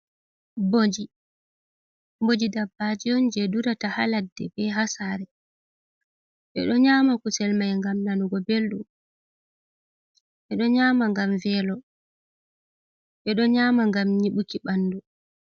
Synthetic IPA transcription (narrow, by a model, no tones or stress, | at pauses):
bod͡ʒi | mbod͡ʒidabːad͡ʒiɔnd͡ʒɛduɾataha̰ladːɛ̰bɛɦasaɾɛ | ɓɛ̰ɗɔɲaːmakusɛlmajŋɡamnanuɡɔbelɗum | ɓɛɗɔɲaːmaŋɡamvɛlɔ | ɓɛɗɔɲaːmaŋɡamɲiɓukiɓanːdu